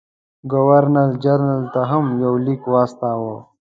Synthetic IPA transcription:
ɡowɐɾnɐɾd͡ʒɐɾnəlt̪aɦɐmjawlikwaːst̪aːwo

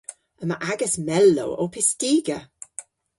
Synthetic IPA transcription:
əməʔaɡəsmɛlːo̰wo̰wpʰɪstiːɡə

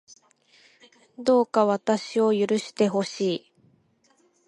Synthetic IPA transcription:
d̪o̞ːkaβ̞at̪aɕio̞jɯ̟ɾɯ̟ɕi̥t̪e̞ɦo̞ɕiː

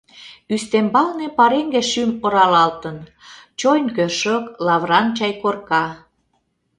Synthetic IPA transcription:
yst̪embɑlnepɑɾeŋɡeʃymoɾɑlɑlt̪ən | t͡ɕojnkøʃəklɑβrɑnt͡ɕɑjkorkɑ

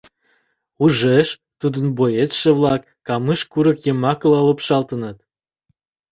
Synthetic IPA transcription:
uʒeʃ | t̪ud̪ə̆nbojet̪ʃĕβlɑkːɑmɨʃkuɾə̆kjə̆mɑklɑləpʃɑlt̪ənət̪

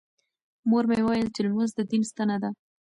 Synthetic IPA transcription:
moɾmewɑjəlt͡ʃɪlməzd̪əd̪inst̪ənad̪a

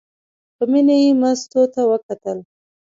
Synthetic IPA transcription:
pəminajemast̪ot̪awəkat̪əl

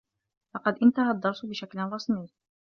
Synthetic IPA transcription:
lɑqɑd̪ʔɪnt̪aɦad̪ˤːɑɾˤsˤʊbɪʃaklɪrˤːɑsˤnij

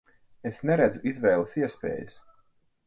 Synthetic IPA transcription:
esnɛɾɛd̪zuʔizvɛːlˠəsiɛspḛːjus

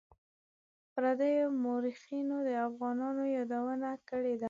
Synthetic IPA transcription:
pɾad̪ajomoɾixinod̪əafɣɑnɑnojɑd̪awənakəɽed̪a

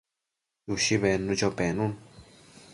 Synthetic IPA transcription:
juʃiβenũd͡ʒopenũn

